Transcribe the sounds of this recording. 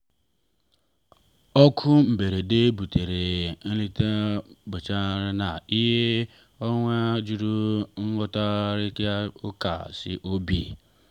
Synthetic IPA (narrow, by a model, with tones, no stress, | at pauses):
ɔ˦kʰʊ˦m̩˨be˨ɾe˨de˦bu˨te˨ɾe˨n̩˦li˦te˦bʊ˨t͡ʃa˦ɾɪ˦na˨i˦ɦe˦ | o˦ŋʷe˦d͡ʒu˦ɾu˦ŋ̩˦ŋʷʊ˦ta˦ɾɪ˦kja˦ʊ˦ka̰˨sɪ̰˦ʔo˦bi˨